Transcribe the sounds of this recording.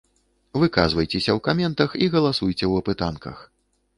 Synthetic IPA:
vɨkazvɐjt͡sʲɛsʲɐwkamʲɛnt̪ɐxiɣɐlˠasujt͡sʲɛwɐpɨt̪ankɐ̰x

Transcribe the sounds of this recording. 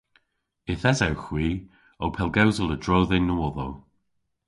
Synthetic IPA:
ɪθɛzawxwiː | owpʰɛlˠɡawzələdɹɔːðɪnːəwɔðow

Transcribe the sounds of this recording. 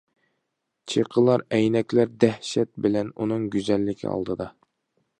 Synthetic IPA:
t͡ʃʰeqʰəlˠɑɾɛjnɛkʲlæɾd̪æhʃɛt̪̚bɪlɛnunɨŋɡʲyzɛlːɪkʲʰḭɑ̰lˠd̪ɨd̪ɑ

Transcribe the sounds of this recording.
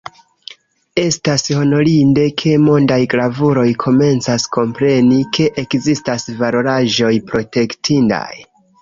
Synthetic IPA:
e̞stasho̞no̞ɾinde̞kʰe̞mo̞ndajɡlavuɾo̞jkʰo̞me̞nt͡sasko̞mpɾe̞nike̞ʔekzistasvalo̞ɾaʒo̞jpɾo̞te̞ktʰinda̰j

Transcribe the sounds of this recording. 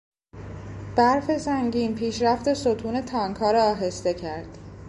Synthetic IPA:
b̥æɾfe̞zæŋɟiːnpʰiːʃɾæft̪e̞sot̪ʰuːne̞t̪ʰɒːŋkʰɒːɾɒːɦe̞st̪e̞cʰæɾd̪̥

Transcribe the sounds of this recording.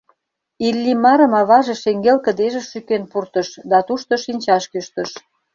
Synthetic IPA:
ilʲːimɑɾə̆mɑβɑʒeʃeŋɡelkə̆d̪eʒĕʃykenpurt̪ə̆ʃd̪ɑt̪uʃt̪ŏʃinʲt͡ɕɑʃkyʃt̪ə̆ʃ

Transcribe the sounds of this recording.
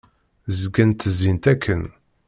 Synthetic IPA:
zəɡənt̪əzːint̪ækʰːən

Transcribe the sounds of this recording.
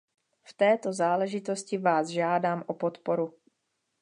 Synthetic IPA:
ft̪ɛːt̪ozaːlɛʒɪt̪o̞scɪvaːzʒaːdaːmʔopot̪po̞ɾu

